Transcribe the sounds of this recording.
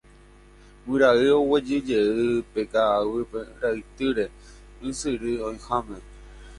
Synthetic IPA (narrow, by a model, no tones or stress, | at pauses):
wɨɾaɨowed͡ʒɨd͡ʒeɨpekaːwɨpeɾait̪ɨɾe̞ | ɨsɨɾɨõj̃hamẽ